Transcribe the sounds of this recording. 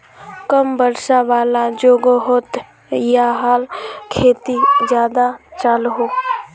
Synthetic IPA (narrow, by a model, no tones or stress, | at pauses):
kəmbəɾʃaʋaːlad͡ʒoːɡəɦʊt̪ | jaɦaːlkʰeːt̪izjaːd̪at͡ʃaːlɦoː